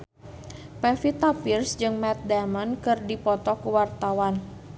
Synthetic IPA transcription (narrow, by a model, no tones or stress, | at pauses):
pɛfit̪apirsd͡ʒɨŋmɛt̪̚damənkɨrdipɔt̪ɔkuwart̪awan